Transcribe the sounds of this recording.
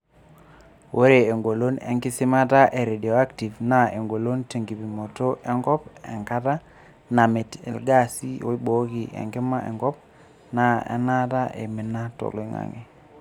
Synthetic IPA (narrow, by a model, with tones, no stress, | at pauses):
wo˦ɾe˨e˨ŋɡo˨lo˦nɛ̰˨ŋɡɪ˦sɪ˦ma˦ta˦ʔe˨ɾe˨di˨o˨a˦kti˨vna˨e˨ŋɡo˨lo˦nte˨ŋɡi˨bi˨mo˨to˦ʔɛ˦ŋɡɔ˦pɛ̰˨ŋka˦ta˦ | na˨mɪ˨tɛ̰˨lɡa˦˨si˦o˦i˦ɓo˨˦ki˨ʔḛ˨ŋɡɪ˦ma˦ʔḛ˨ŋɡɔ˦p̚ | na˦˨ɛ̰˨na˦ta˦ʔe˨mɪ˨na˦to̰˨li˦ŋa̰˨ŋḛ˨